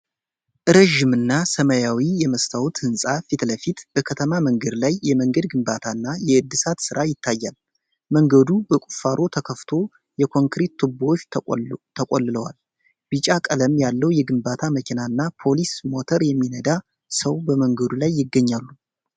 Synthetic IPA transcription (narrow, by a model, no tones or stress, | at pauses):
ʔɨɾəʒimɨnːasəmajawijɛməst̪ʰawut̪hɨnsʼafit̪ləfit̪b̥əkʰət̪ʰəmaməŋɡəd̪lajːɛməŋɡəd̪ɡɨmbat̪ʰanːajɛɨd̪ːɨsat̪sɨɾʔajɪt̪ʰːajːal | məŋɡəd̪ubəkʼu̥faɾʔo̞t̪ʰəkʰəft̪ʰo̞ | jɛkʰo̞ŋkɾet̪ːʰɨbːot͡ʃːt̪ʰəkʼolːɨləwa̰l | b̥ɨt͡ʃʼakʼələmjalːəwjɛɡɨmbat̪ʰaməkʰinaɨnːapʰo̞lismo̞t̪ʰəɾjɛmːinəd̪a | səwbəməŋɡəd̪ulajːɪɡːəɲːalːu